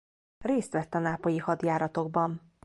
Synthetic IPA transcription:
reːst̪ʋɛt̪ːɒnaːpojihɒd̪jaːɾɒt̪o̞ɡ̚bɒn

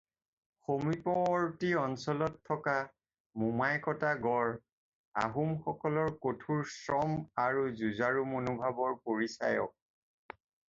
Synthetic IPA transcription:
xomipɔːɹtiɔnsɔlɔtʰːɔka | mumajkɔtaɡɔɹ | a̰ɦumxɔkɔlɔɹkotʰuɹsɹɔmaɹuzuzaɹumonubʱabɔɹpoɹisa̰jɔ̰k̚

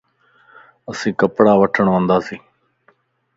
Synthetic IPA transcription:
əsĩːkəpɽaːʋəʈʰəɳʋə̃nd̪aːsĩː

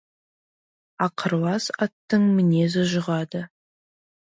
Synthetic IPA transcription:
ɑqʰəɾwɑsɑt̪ːəɴmɪne̞zɪʒʊʁɑd̪ə

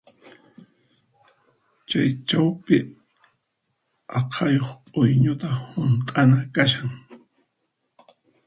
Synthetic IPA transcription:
t͡ʃajt͡ʃawpɪ | ɑqʰɑjoχpʼʊjɲʊt̪ahʊnt̪ʼanakaʃaŋ

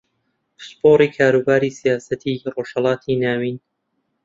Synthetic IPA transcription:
spoːɾiːkʰaːɾuːbaːɾiːsijaːsɐt̪ʰiroːʃhɑlˠɑːt̪ʰinaːwiːn

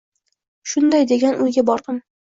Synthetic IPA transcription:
ʃʊnd̪ajd̪e̞ɡʲanʔʊjɡʲabɒɾd̪ɨm

